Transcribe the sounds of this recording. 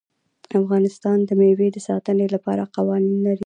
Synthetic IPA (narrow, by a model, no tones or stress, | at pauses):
afɣɑnɪst̪ɑnd̪əmewed̪əsɑt̪ənelapɑɾaqawɑninlaɾi